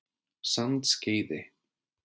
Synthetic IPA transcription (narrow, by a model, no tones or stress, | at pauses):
sant̪scejðɪ